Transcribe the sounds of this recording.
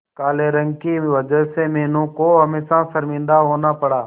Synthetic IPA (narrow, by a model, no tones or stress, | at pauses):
kaːleːɾəŋɡkiːʋəd͡ʒəɦseːmeːnũːkoːɦəmẽːsãːsəɾmĩːnd̪aːɦoːnaːpəɽaː